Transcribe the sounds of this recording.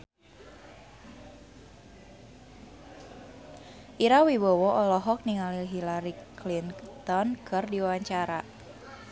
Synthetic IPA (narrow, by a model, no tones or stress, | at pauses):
ʔiɾawibɔwɔʔɔlɔɦɔk̚niŋaliɦilaɾiklint̪ɔnkʰɨrdiwaɲt͡ʃaɾa